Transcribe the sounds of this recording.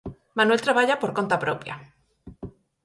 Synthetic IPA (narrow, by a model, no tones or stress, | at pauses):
mãnwet̪ɾaβaʎapoɾko̞nt̪apɾopja̰